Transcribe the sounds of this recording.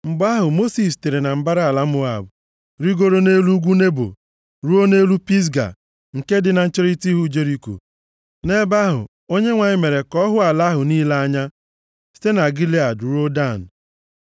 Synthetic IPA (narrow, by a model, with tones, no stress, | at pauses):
m̩˨ba˦ɦʊ˨mo˦si˨s̬te˨ɾe˨na˨m̩˦ba˦ɾa˨la˦mʊ˦a̰˨bʊ˨ | ɾi˦ɡo˦ɾo˦ne˦lu˦ɡʷu˦ne˦bo̰˨ | ɾu˦o˦ne˦lu˦pi˦s̬ɡa̰˨ | ŋ̩˨ke˦dɪ˨na˨n̩˦t͡ʃe˦ɾi˦ti˦ɦu˦d͡ʒe˦ɾi˦ko̰˨ | ne˦ba˦ɦʊ̰˨ | o˦ɲe˦ŋʷa˨ɲɪ˦me˨ɾe˨kɔ˦ɦʊ˦a˨la˦ɦʊ˨niː˦la˦a˦ɲa˦ | si̥˦te˦na˨ɡi˦li˦a˨dɾo˦da˦˨n̩˨